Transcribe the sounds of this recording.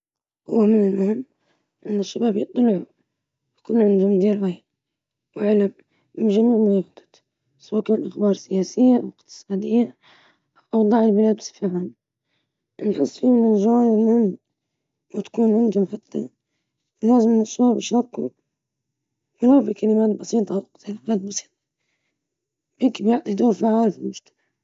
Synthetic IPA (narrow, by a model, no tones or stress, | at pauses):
hʊwːamɪnalmʊhɪmː | ʔɪnːɪʃːabaːbjɨt̪ˤːʊlʕu | wkʊlːʕɪnd̪ʊmd̪iːɾwaj | wʕalam | mɪʒamuːʕmʊɣibd̪ˤɑ̥ | swaːkːlʔaxbɑːɾˤsɪjaːsɪjːaʔawɪqt̪ɨ̥sˤɑːd̪ɪjːa | ʔɑwd̪ˤɑːʕɪlbɪlaːd̪sfaɦam | nħʊsˤːfiːɪnːɪʒawaːnɪlʕɪn | wat̪ḁkuːnʕɪnd̪ʊmħat̪ːa̰ | laːzɪmɪnɪsubɪʃɾˤɑkʊ | wɪlabikalɪmaːt̪bɑsiːt̪ˤɑʔwq̪alɪmaːt̪̚bɑsˤi̥ːt̪ˤɑ̥ | bjɪŋkɪbjɪʕt̪ˤid̪oːɾfaʕaːlfilmʊʃt̪ḁmaʕ